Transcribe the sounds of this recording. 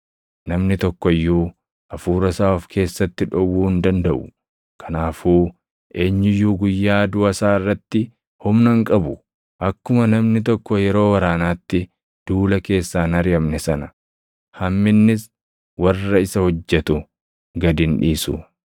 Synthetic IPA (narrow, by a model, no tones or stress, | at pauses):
nɐmnɪt̪ɔkːɔjːuː | ʔɐfuːɾɐsaːɔfkʰe̞ːsːɐt̪ːɪᶑɔwːuːhɪnd̪ɐnd̪ɐʔʊ | kʰɐnaːfuː | e̞ːɲːɪjːuːɡʊjːaːd̪ʊɐsaːɪrːɐt̪ːɪ | hʊmnɐŋkʼɐbʊ | ʔɐkːʊmɐnɐmnɪt̪̬ɔkːɔjɛɾo̞ːwɐɾaːnaːt̪ːɪ | d̪̥uːlɐke̞ːsːaːnɐɾɪjɐmnɛsɐnɐ | hɐmːɪnːɪs | wɐrːɐɪsɐhɔd͡ʒːɛt̪ʊ | ɡɐd̪ɪnᶑiːsʊ